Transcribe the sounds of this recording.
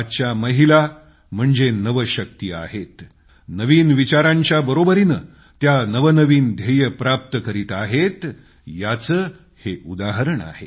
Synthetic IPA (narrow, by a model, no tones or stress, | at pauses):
t͡ɕjaməɦila | m̤əɳd͡zenəʋəɕək̚t̪iːa̰ɦet̪ | nəʋiːnʋit͡ɕaɾãɲt͡ɕjabəɾobəɾiːnə | t̪janəʋənəʋiːnd̪ʱejəpɾap̚t̪əkəɾiːt̪aɦet̪ | jat͡səː | heʔud̪aɦəɾəɳa̰ɦe